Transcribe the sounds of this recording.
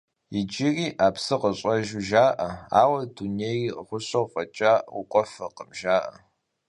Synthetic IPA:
jɪd͡ʒɪriːʔaːpsɨqəɕʼɐʒʊʒaːʔɐaːwɐduneiːʁʷʊɕɐwfʼɐt͡ʃʼaːwʊqʷʼɔfɐqəmʒaːʔɐ

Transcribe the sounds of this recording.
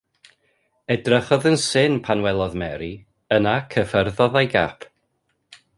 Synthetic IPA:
ɛdrəχɔðənsɪnpʰanwɛlˠɔðmɛɾi | ənakʰəfərðɔðajɡapʰ

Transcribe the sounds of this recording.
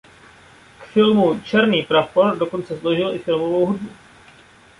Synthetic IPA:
kfɪlmut͡ʃɛɾniːpɾafoɾdo̞ko̞nt͡sɛslo̞ʒɪlɪfɪlmovowɦudbu

